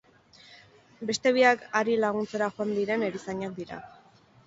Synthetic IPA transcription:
be̞st̪e̞β̞iakaɾilaɣ̞unt͡se̞ɾaxoand̪iɾe̞ne̞ɾisaɲak̚d̪iɾa̰

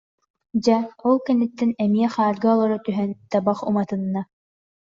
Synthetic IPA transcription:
d͡ʑaɔlˠkɛnːɘt̪ːɛnɛmiɛχaːɾɡɯɔlˠɔɾɔt̪yɦɛnt̪abaχṵmat̪ɯnːa

